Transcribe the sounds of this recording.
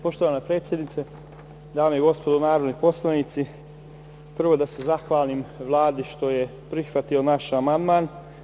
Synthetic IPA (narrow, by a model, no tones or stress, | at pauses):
po̞ʃt̪oʋanapɾe̞ːt̪sje̞d̪nit̪e | d̪aːmejiɡo̞spo̞d̪onaːɾod̪nipo̞slˠanit̪si | pr̩ʋo̞d̪ase̞zaxʋaːlˠimʋlˠaːd̪iʃt̪o̞je̞ | pɾixʋat̪io̞naʃamand̪maːn